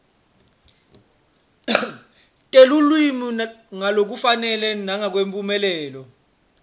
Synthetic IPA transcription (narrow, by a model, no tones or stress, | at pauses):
tʼelulwimiŋalok̬ufanɛlɛnaŋak̬wempʼumɛlɛːlɔ